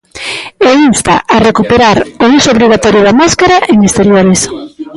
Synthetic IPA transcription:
einst̪a̰ʔarekupeɾaɾousooβɾiɣ̞at̪ɔɾjʊðamaskaɾaeŋest̪eɾjoɾes

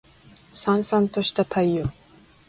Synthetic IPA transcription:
sãɰ̃sãnt̪o̞ɕi̥t̪at̪ʰaio

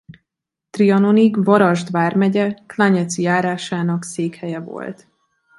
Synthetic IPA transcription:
t̪riɒno̞niɡvɒɾɒʒd̪vaːrmɛɟɛklaɲɛt̪sijaːɾaːʃaːnɒkseːkhɛjɛvo̞̰lt̪

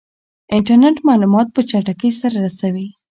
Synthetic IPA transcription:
ɪɳʈaɾneʈmɑlumɑt̪̚pət͡ʃaʈakəsaɾaɾasawi

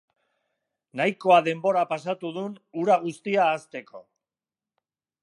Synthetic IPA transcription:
najko̞aðe̞mbo̞ɾapasat̪uð̞unuɾaɣ̞ust̪iaːst̪e̞kʰo̞̰

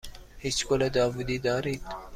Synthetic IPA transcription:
hit͡ʃkolad̪ɑːvud̪iːd̪ɑːɾit̪

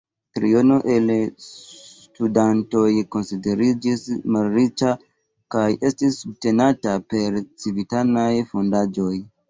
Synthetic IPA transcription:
tɾio̞no̞ʔel | tudanto̞jko̞nside̞ɾid͡ʒismalɾit͡ʃa | kaje̞stisːub̚te̞natape̞ɾt͡sivitanajfo̞ndad͡ʒo̞j

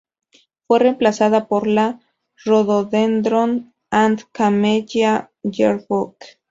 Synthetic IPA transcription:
fweremplasaðapoɾla | roðoðend̪ɾon | ant̪kameʎa | jeɾbuk

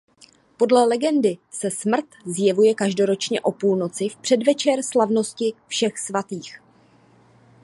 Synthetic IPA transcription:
po̞dlɛlɛɡɛndɪsɛsmr̩t̪zjɛvujɛkaʒdo̞ɾo̞t͡ʃɲɛʔo̞puːlno̞t͡sɪfpr̝̥ɛdvɛt͡ʃɛrslavno̞scɪfʃɛxsvat̪iːx

